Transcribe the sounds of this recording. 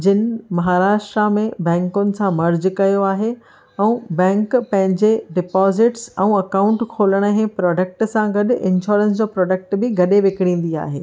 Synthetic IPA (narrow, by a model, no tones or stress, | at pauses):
d͡ʑɪnɪmɐɦaːɾaːʃʈɾamẽbɛ̃ːŋkʊnɪ̆sãmɐɾd͡ʑkɐjoaːɦe | ɛ̃ũːbɛ̃ːŋkpɐ̃ɦɪ̃ɲd͡ʑeɖɪpɔːzɪʈsɛ̃ũɐkãːʊ̃ɳʈkʰoːləɽ̃əɦẽpɾɔːɖək̚ʈsãɡɐɗ̆ɪ̃nʃɔːɾəns̬d͡ʑoːpɾɔːɖək̚ʈbɪɡɐɗeʋɪkɪɽ̃ĩːn̆d̪ia̰ːɦḛː